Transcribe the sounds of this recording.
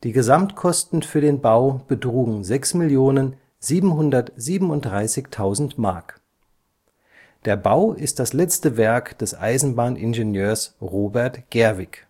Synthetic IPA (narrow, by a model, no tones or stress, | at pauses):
d̥iːɡəzamtkʰɔstn̩fyːɐdeːnbaʊb̥ətʁ̥uːɡŋ̩zɛksmɪljoːnən | ziːbm̩ɦʊndɐtz̥iːbm̩ʊntd̥ʁaɪsɪçtʰaʊzn̩tmaɐk | d̥eːɐbaʊɪst̚d̥aslɛt͡stəvɛɐkd̥ɛsʔa̰ɪzn̩baːnʔɪnʒenjøːɐsʁoːbɛɐtɡ̥ɛɐvɪk